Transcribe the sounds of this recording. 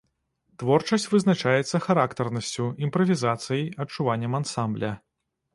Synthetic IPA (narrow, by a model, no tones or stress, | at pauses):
t̪vɔrt͡ʂɐsʲt͡sʲvɨznat͡ʂajɛt̪sːɐxaɾakt̪ɐrnɐsʲt͡sʲuimpɾɐvʲizat̪sɨjɐjɐt͡ʂuvanʲːɐmansamblʲɐ